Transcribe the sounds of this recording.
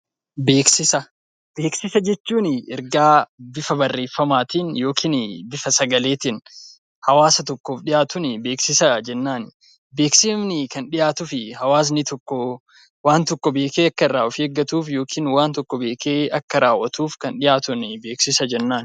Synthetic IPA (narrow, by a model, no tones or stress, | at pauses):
be̞ːksɪsɐ | b̥eːksɪsɐd͡ʒɛt͡ʃːuːnɪɛɾɡaːbɪfɐbɐrːe̞ːfːɐmaːt̪ɪnjo̞ːkʰiːnbɪfɐsɐɡɐle̞ːt̪ɪn | hɐwaːsɐt̪ɔkːo̞ːfᶑɪjaːt̪ʊnɪbe̞ːksɪsɐd͡ʒɛnːaːn | be̞ːkseːmnɪkɐnᶑɪjaːt̪ʊfɪhɐwaːs̬nɪt̪ɔkːɔ | waːnt̪ɔkːɔbe̞ːkeːɐkːɐɪraːʔɔfeɡːɐt̪uːfjo̞ːkʰiːnwaːnt̪ɔkːɔbe̞ːkʰeːɐkːɐɾaːwːɐt̪uːfkɐnᶑɪjaːt̪ʊnɪbe̞ːksɪsɐd͡ʒɛnːaːn